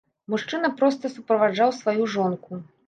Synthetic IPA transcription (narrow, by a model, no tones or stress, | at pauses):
muʂt͡ʂɨnɐpɾɔst̪ɐsupɾɐvad͡ʐawsvajuʐɔnku